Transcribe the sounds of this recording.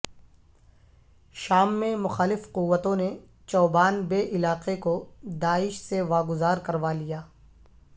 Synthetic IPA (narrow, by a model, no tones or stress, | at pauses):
ʃaːmːẽmʊxaːlɪfqʊʋːət̪õne | t͡ʃɔːbaːnbeːʔɪlaːqekod̪aːɪʃseʋaːɡʊzaːɾkɐɾʋalijaː